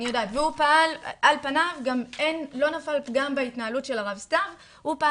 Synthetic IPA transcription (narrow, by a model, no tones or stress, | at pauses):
nijo̞daːtveupaalʔalpanavɡame̞nlo̞nafalɡambaitnaalutʃe̞laʁavstav | hupa